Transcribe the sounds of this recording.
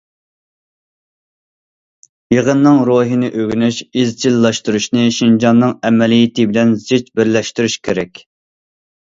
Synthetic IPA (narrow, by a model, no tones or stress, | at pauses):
jəʁənːɨŋɾoɦinɨʔøɡʲynyʃizt͡ʃʰilːɑʃt̪uɾuʃnɨʃind͡ʒɑnːɨŋɛmɛlijit̪ɪbɪlɛnzet͡ʃbɪɾlɛʃt̪yɾyʃkʲʰeɾɛkʲ